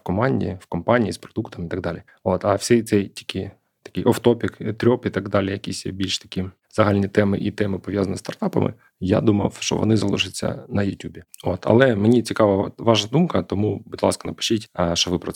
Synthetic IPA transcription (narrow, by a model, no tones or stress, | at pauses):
kɔmɑnʲdʲḭifkɔmpɑnʲijispɾɔd̪ukt̪ɔmit̪ɐɡ̚d̪ɑlʲi | ot̪ɐwsʲɛjt̪sɛjtʲi̥kɪ | t̪ɐ̥kɪjʔɐft̪ɔpʲɪkt̪ɾʲɔpit̪ɑɡd̪ɑlʲɪjɐkʲisʲjbʲilʲʃt̪ɐ̥kʲi | zɐɦɑlʲnʲit̪ɛmɪʔit̪ɛmɪpɔʋjazɐnʲist̪ɐrt̪ɑpɐ̰mʔɪ̰ | ja̰d̪umɐwʃt͡ʃɔ̰ʋɔ̰nɪzɐlˠuʃɪt͡sʲːɐ̰nɐjʊtʲubʲiot̪ɐ̰lˠɛmenʲit͡sʲikɑʋɐʋɑʒnɐd̪umkɐt̪ɔmubudʲlˠɑ̰skɐnɐpɪ̥ʃʲitʲʃt͡ʃɔʋɪpɾɔɛ